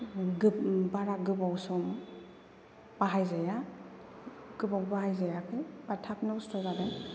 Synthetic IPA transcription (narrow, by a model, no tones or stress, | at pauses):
ɡɯbaɾaɡɯbawsɔm | baɦajzaja | ɡ̥ɯbawbaɦajzajakʰɯjbatʰapʰnɯwstɔzaden